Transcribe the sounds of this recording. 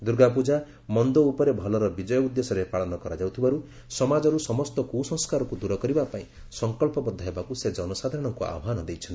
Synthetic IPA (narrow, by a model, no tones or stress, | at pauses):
d̪uɾɡapud͡ʒa | mɔnd̪ɔupɔɾebʱɔlɔɾɔbid͡ʒɔjɔud̪esɔɾepaɭɔnɔkɔɾad͡ʒawt̪ʰibaɾu | sɔmad͡ʒɔɾusɔmɔst̪ɔkusɔ̃ŋskaɾɔkud̪uɾɔkɔɾibapaĩ | sɔŋkɔlpɔbɔd̪ʱɔɦebakused͡ʒɔnɔsad̪ʱaɾɔɽ̃ɔŋkua̰bɦanɔd̪ejt͡ʃʰɔnt̪i̥